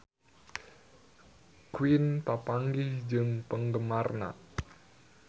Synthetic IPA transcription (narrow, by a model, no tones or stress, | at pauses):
kwint̪apaŋɡɪhd͡ʒɨŋpəŋɡəmarna̰